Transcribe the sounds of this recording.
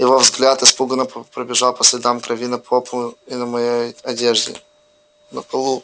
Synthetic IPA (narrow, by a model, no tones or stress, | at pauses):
jɪvovzɡlʲat̪ɪspuɡənəppɾəbʲɪʐalˠpəsʲlʲɪd̪amkɾɐvʲinəpoplˠʊinəmɐjejɐdʲeʐdʲɪ̰ | nəpɐlˠu